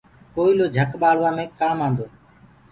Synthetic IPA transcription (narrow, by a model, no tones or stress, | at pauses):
koːiːloːd͡ʒʱəkɓaːɽʋãːmẽːkaːmãːnd̪oː